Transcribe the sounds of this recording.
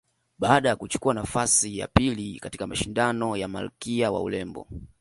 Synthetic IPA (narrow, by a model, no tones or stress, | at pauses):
ɓaːɗajakut͡ʃu̥kuanafasija̰pilikati̥kamaʃindanɔjama̰lṵkiawa̰ṵlɛmbɔ̰